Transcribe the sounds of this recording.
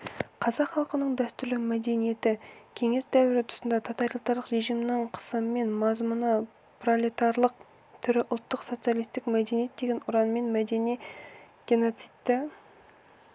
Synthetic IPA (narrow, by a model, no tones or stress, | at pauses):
qʰɑzɑqχɑlˠqənəɴd̪æst̪ʏɾlɪmæd̪e̞nije̞t̪ɪkʲʰe̞ŋe̞sd̪æwɪɾɪt̪ʰʊ̥sənd̪ɑt̪ʰɑt̪ɑɾjlˠt̪ɑɾləqɾe̞ʒijmnəɴqʰə̥səməme̞nmɑzmʊnə | prolit̪ɑɾlˠəq̚ | t̪ʰʏɾɪʔʊlˠt̪ːəqsot̪sɨjalˠijst̪ɪkmæd̪enije̞t̪̚d̪e̞ɡʲe̞nʊɾɑnəme̞nmæd̪e̞nij | ɡ̥ʲe̞no̞t̪sit̪t̪ːɪ